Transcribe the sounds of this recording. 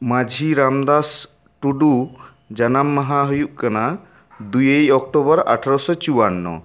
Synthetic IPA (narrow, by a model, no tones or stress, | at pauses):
mad͡ʒʱiɾamd̪as | ʈuɖu | d͡ʒanamːaɦaɦujuʔkana | d̪ujejɔk̚ʈobɔɾa̰ʈʰaɾɔsɔt͡ʃuwanːɔ̰